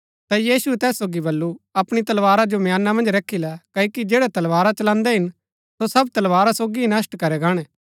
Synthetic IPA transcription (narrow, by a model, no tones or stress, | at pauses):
t̪ajiːsuɛt̪ɛːsːoːɡibɐlːuɐpɽ̃it̪ɐlʋaːɾad͡ʒomjaːnːamɐ̃nd͡ʒɾɐkʰːilɛkɐikid͡ʒeːɽɛt̪ɐlʋaːɾat͡ʃɐlãːnd̪ɛɦɪn | sosɐb̚t̪ɐlʋaːɾasoːɡinɐsʈkɐɾɛɡaːɽ̃ɛ̃ː